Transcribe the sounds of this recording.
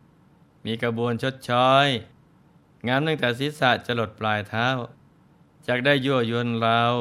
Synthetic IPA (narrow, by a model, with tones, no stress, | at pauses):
miː˧ka˧bu˧ənt͡ɕʰo˦˥t̪̚t͡ɕʰɔː˦˥j | ŋaː˧˥mna˥˩ŋt̪ɛː˨˧˩s̬i˨˦˥saː˨˩t̪̚t͡ɕa˧lo˨˩t̪̚plaː˧jt̪ʰaː˦˥˨w | t͡ɕaː˨˩k̚daː˥˩jːu˧˩ɐju˧ənɾa˧w